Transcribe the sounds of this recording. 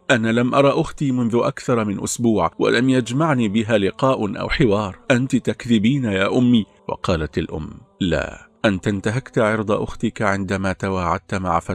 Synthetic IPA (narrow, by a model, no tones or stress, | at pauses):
ʔanaːlamʔɑɾˤɑʔʊxt̪iːmʊnðʊʔa̰kθɑɾˤmɪnʔʊsbuːʕwa̰lamjad͡ʒmaʕniːbɪɦaːlɪqɑːʔʔa̰wħɪwɑːɾˤʔant̪ɪt̪akðɪbiːnajaːʔʊmːiː | wɑ̰qɑːlat̪alʔʊ̰mːla̰ːʔant̪ant̪aɦakt̪aʕɑɾd̪ˤɑʔʊxt̪ɪkaʕɪnd̪amaːt̪awaːʕa̰d̪̚t̪ama̰ʕafa